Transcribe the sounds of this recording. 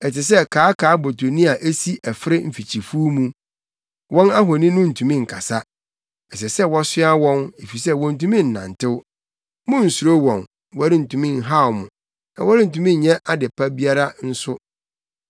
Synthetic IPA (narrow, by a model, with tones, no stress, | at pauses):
ɛ˨tɪ˨s̬ɛ˦kʰaː˨˦kʰaː˨˦bo˨tʰo˨nĩ˦a˨ʔe˦si˦ʔɛ˨fɪ˦ɾɪ˦m̩˨fi˨t͡ɕʰi˨fu˦mũ˦ | wɔ̃˦na˦ɦɔ˨nĩ˦nʊ̃˦n̩˨tʰũ˨mĩ˦ŋ̩˨kʰa˨sa˦ | ɛ˨sɛ˨sɛ˦wɔ˦sɪ˦a˦wɔ̃˦ne˨fi˨sɛ˦wɔ̃˨n̩˨tũ˦mĩ˦n̩˨nã̰˨n˨tʰɪ˦w | mʊ̃˦n̩˨su˨ɾo˦wɔ̃˨n | wɔ˦a˦ɾɪ˦n̩˨tʰũ˨mĩ˦˨n̩˨ɦa˦˨wmʊ̃˨ | nã̰˨wɔ˦ɾɪ˦n̩˨tũ˨mĩ˦ɲ˨ɲɛ̃˦ʔa˦dɪ˨pʰa˦bi˦a˦ɾa˦n̩˦sʊ˦